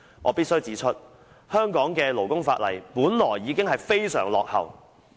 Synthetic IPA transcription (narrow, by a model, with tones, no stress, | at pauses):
ʔɔː˨˧piː˥t̚sɵ˥ɥt͡siː˨˧˥t͡ʃʰɵ˥t̚ | hœː˥ŋkɔː˨˥ŋkɛː˧lo˨˩wkʊ˥ŋfaː˧t̚lɐ˨˩jpuː˨˥nlɔː˨˩jːiː˨˧kɪ˥ŋɦɐ˨jfe˥jsœː˨˩ŋlɔː˨k̚hɐ˨˩w